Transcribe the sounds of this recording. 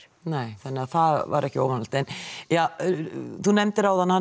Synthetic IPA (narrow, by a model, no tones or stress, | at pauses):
neːjθanːɪaðθaðva̰ɾɛhcɪoːwvanalt̪ɛnja | θunɛmt̪ɪɾawðanːha